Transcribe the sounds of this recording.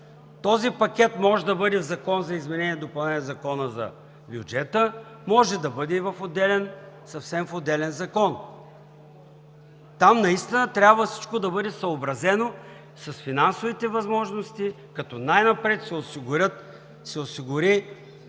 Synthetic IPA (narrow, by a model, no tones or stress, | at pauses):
t̪ɔzipɐkʲɛt̪mɔʒɛd̪ɐbɤd̪ɛvzɐkɔnzɐizmɛnɛniɛd̪opɐlˠnɛniɛzɐkɔnəzɐ̰ | bʲjʊd͡ʒɛt̪ə | mɔʒɛd̪ɐbɤd̪ɛivɐfod̪ɛlɛn | sɐfsɛmfod̪ɛlɛnzɐkɔn | t̪amnɐist̪inət̪ɾʲabvəfsi̥t͡ʃkod̪ɐbɤd̪ɛsɐobɾɐzɛno | sɐsfinansovit̪ɛvɐzmɔʒnost̪i | kɐt̪ɔnajnɐpɾɛt̪sɛosiɡʊɾʲət̪ | sɛosiɡʊɾi